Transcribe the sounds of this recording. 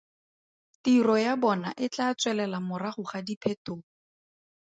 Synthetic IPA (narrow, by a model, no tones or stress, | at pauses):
tirɔjabɔnaʔɪt͡ɬaːt͡swɛlɛlamʊraχʊχadipʰetoː